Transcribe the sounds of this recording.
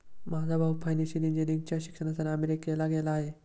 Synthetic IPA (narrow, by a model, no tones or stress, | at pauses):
mad͡zʱabʱabfʰajneɕiɾind͡ʑiniŋɡ̚t͡ɕjaɕi̥kʂəɽ̃asanəmeɾikelaɡelaːɦe